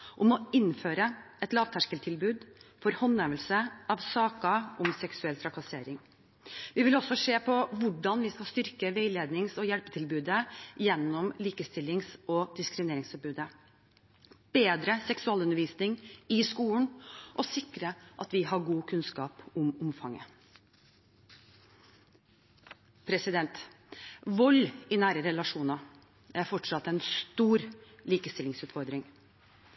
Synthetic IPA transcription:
ʔɔmɔɪnːføːɾəʔɛt̪lɑːʋt̪ʰæʂkəlt̪ʰɪlbʉːd̪fɔɾhɔnːɛʋəlsəɑʋsɑːkɑɔmsɛksʉɛlt̪ʰɾɑkɑseːɾɪŋ | ʋɪʋɪlɔsːɔʂeːpʰɔʋʊɖɑnʋɪskɑlst̪ʏɾkəʋeɪleːd̪nɪŋsɔjælpət̪ʰɪlbʉːd̪əjɛnːɔmliːkəst̪ɪlːɪŋsɔd̪̥ɪskɾɪmɪneːɾɪŋst̪ɔɾbʉːd̪ə | b̥eːd̪ɾəsɛksʉɑːlʉnəɾʋiːsnɪŋɪskuːlɳ̩ʔɔsɪkːɾəʔɑt̪ʋɪɦɑɡuːkʰʉnskɑːpʊmʊmfɑŋːə̰ | pʰɾɛsɪd̪ɛnt̪ | ʋɔlːɪnæːɾəɾɛlɑʂuːnɑ | æɾfɔʈʂɑt̪ːɛnst̪uːɾliːkəst̪ɪlːɪŋsʉːt̪fɔɾd̪ɾɪŋ

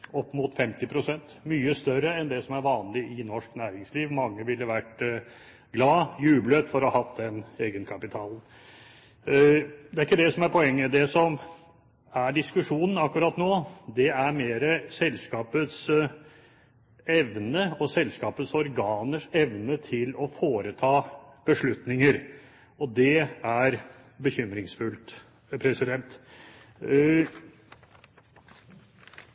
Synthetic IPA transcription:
ɔpːmʊt̪fɛmt̪ɪpʰɾʊsɛnt̪myːəst̪œɾəɛnd̪ɛsɔmæɾʋɑːnlɪʔɪnɔʂknæːɾɪŋsliːʋmɑŋːəʋɪlːəʋæʈ | ɡlɑːjʉːblət̪fɔɾɑhɑt̪d̪ɛneːɡənkʰɑpɪt̪ʰɑːln̩ | d̪ɛæɾɪkːəd̪ɛsɔmæɾpʰɔɛŋːəd̪ɛsɔm | æɖɪskʉʂuːnən̩ɑkːʉɾɑt̪ːnoːd̪ɛæɾmeːɾəsɛlskɑːpət̪s | ɛʋnəɔsɛlskɑːpət̪sɔɾɡɑːnəʂɛʋnət̪ʰɪlɔfoːɾət̪ʰɑːb̥əʂɭʉt̪nɪŋəɾ | ɔd̪ɛæɾ | bəçʏmɾɪŋsfʉlt̪ | pʰɾɛsɪd̪ɛnt̪

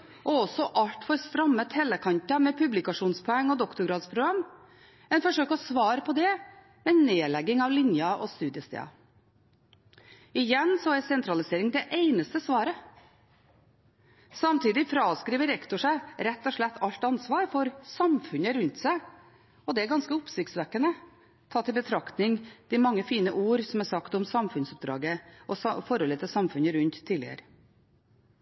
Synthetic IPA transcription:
ʔɔɔsɔʔɑʎt̪fɔɾst̪ɾɑmːət̪hɛlːəkʰɑnt̪ɑmɛpʰʉblɪkɑʂuːnspʰɔɛŋːɔd̪ɔkt̪ʊɾɡɾɑːd̪spʰɾʊɡɾɑm | ɛɪnfɔʂøːkəɔsʋɑːɾəpʰɔd̪ɛ | mɛneːlɛɡɪŋɑʋlɪɲjɑʔɔst̪ʉːd̪ɪəst̪ʰḛːɑ̰ | ɪjɛnsɔɛsɛnt̪ʰɾɑlɪseːɾɪŋd̪ɛʔeɪnəst̪əsʋɑːɾə | sɑmt̪ʰiːd̪ɪfɾɑːskɾiːʋəɾɛkt̪ʊʂæɪɾɛt̪ːɔʂɭɛt̪ʰːɑʎt̪ɑnsʋɑːɾfɔɾsɑmfʉnəɾʉnt̪sæɪ | ɔd̪ɛæɾɡɑnskəʊpsɪkt̪sʋækːənə | t̪ʰɑːt̪ːɪlbət̪ʰɾɑkt̪nɪŋd̪̥ɪmɑŋːəfiːnəʔuːɾsɔmæsɑkt̪ɔmsɑmfʉnsɔp̚d̪ɾɑ̰ːɡəʔɔfɔɾhɔlət̪ʰɪlsɑmfʉnəɾʉnt̪ʰːiːlɪ̰ə̰ɾə

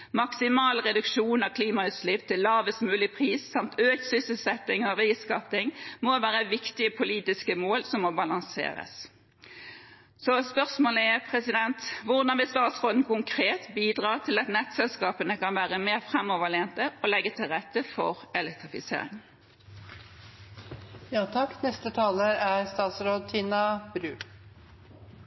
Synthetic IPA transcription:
mɑksɪmɑːlʁɛd̪ʉkʂuːnɑʋkʰliːmɑʉːt̪slɪpːt̪ʰɪlːɑːʋəsmʉːlɪpʰʁiːsːɑmt̪øːçsʏsəlsɛt̪ːɪŋɔʋæɪskɑpt̪ɪŋmɔʋæːʁəʋɪkt̪ɪəpʰʊliːt̪ɪskəmoːlsɔmːɔbɑlɑŋsḛːʁə̰s | sɔspœʁsmoːləɛpʰʁɛsɪd̪ɛnt̪ʋʊʁd̪ɑnʋɪst̪ɑːt̪sʁoːd̪n̩kʊŋkʰʁeːt̪biːd̪ʁɑːt̪ʰɪlɑt̪nɛt̪sɛlskɑːpənəkɑnʋæːʁəmeːʁfʁɛmːɔʋəleːnt̪əɔlɛɡːət̪ʰɪlʁɛt̪ːəfɔ̰ʁɛlɛk̚t̪ʁɪfɪsḛːɾɪ̰ŋ | jɑːt̪ʰɑkːnɛst̪ət̪ʰɑːləɾæɾst̪ɑːt̪sɾoːd̪̚t̪ʰiːnɑb̥ɾʉː

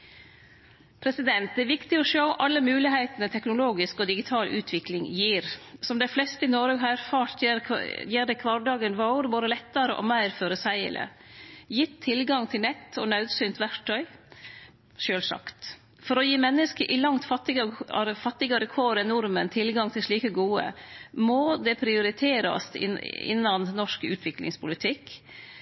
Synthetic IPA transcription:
pʰɾɛsɪd̪ɛnt̪̚d̪ɛʋɪkt̪ɪɔʃoʊʔɑlːəmʉːlɪɦæɪt̪ənət̪ʰɛknʊloːɡɪskɔd̪ɪɡɪt̪ʰɑːlʔʉːt̪ʰʋɪklɪŋjiːɾsɔmd̪æɪflɛst̪əɪnoːɾɑɡɦæːɾfɑːʈ̪ | jiːɖɛkʰʋɑɖɑːɡənʋɑʊɾboːd̪əlɛt̪ːəɾəʔɔ̰mæɪɾføːɾəsæɪə̰lʔə̰jɪt̪ʰːɪlɡɑŋt̪ʰɪlnɛt̪ːɔnɑʉd̪sʏnt̪ʋæɾʈʰːœʏ | ʃøːlsɑ̰kt̪ | fɔɾɔjiːmɛnːəskəɾʔɪlɑŋt̪fɑt̪ːɪɡəɾəfɑt̪ːɪɡɑɾəkʰoɾənʊɾmənt̪ʰɪlɡɑŋt̪ʰɪlʂɭiːkəɡuːə̰mod̪ɛpʰɾɪʊɾɪt̪ʰeːɾɑ̰st̪ɪ̰ɪ̰nːɑnnɔʂkʉ̰ːt̪ʰʋɪklɪ̰ŋspʰʊlɪt̪ʰɪkː

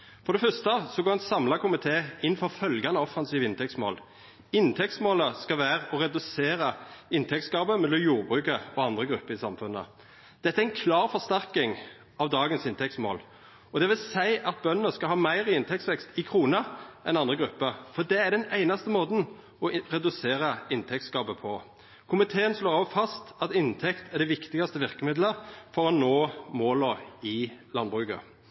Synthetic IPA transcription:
fɔɾd̪ɛfœst̪əsɔɡoːʁɛnsɑmlɑkʊmɪt̪ʰeːɪnfɔʁfœlɡɑnəɔfːɑnsiːʋəɪnt̪ʰɛktsmo̰ːl | ɪnt̪ʰɛkt̪smoːləskɑʋæːʁɔʁɛd̪ʉseːɾəɪnt̪ʰɛk̪̚sɡɑːbəmɛləjuːʁbʁʉːkəɔɑnd̪ʁəɡɾʉpːəɾɪsɑmfʉnə̰ | d̪̥ɛt̪ːəæɛɪnkʰlɑːʁfɔst̪æɾkɪŋ | ɑʋd̪ɑːɡənsɪnt̪ʰɛkt̪smo̰ːl | ɔd̪ɛʋɪlsæɪʔɑt̪̚bœnnəskɑlhɑːmæɪʁɪɪnt̪ʰɛk̚tsʋɛkst̪ɪkʰʁuːnəʔɛ̰nɑnd̪ʁəɡɾʉpːəfɔd̪ɛæd̪ɛnæɪnɑst̪əmoːd̪n̩ | ɔʁɛd̪ʉseːɾəɪnt̪ʰɛk̚t̪skɑːbəpʰɔ | kʰʊmɪt̪ʰeːənsloːʁɑʋfɑst̪ɑt̪ɪnt̪ʰɛkt̪æd̪ɛʋɪkt̪ɪɡɑst̪əʋɪʁkəmɪd̪ləfɔɾɔnoːmoːləɪlɑnbʁʉɡə̰

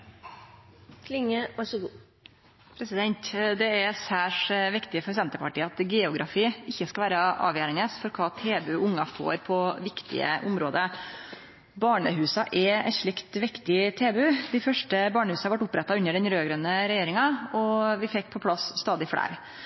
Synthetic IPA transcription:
kʰlɪŋəʋɑʂɔɡuː | pʰɾɛsɪd̪ɛnt̪d̪ɛæɾsæːʂʋɪkt̪ɪəfɔɾsɛnt̪əpʰɑʈiːɑt̪ɡɛːʊɡɾɑfiːɪçːəskɑlʋæːɾəʔɑ̰ːʋjæːɾɪnesfɔɾɔkʰɑːt̪ʰeːbʉʔʊŋːɑfo̰ːɾpʰɔʋɪkt̪ɪ̰ə̰ʔʊmɾoːd̪ə | bɑːɳə̰ɦʉːsɑʔɛɛ̰ʂɭɪkt̪ʋɪkt̪ɪt̪ʰeːbʉd̪ɪfœʂʈəbɑːɳəhʉːsɑhɑɾʋɑʈʊpːɾɛt̪ːɑʉnːəɖɛnɾøːɡɾœnəɾɛjeːɾɪŋɑɔʋɪfɛk̚ːpʰɔpʰlɑsst̪ɑːd̪ɪfɽæ̰ːɾ

